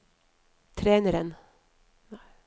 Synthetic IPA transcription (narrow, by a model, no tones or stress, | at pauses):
t̪ʰɾeːnəɾən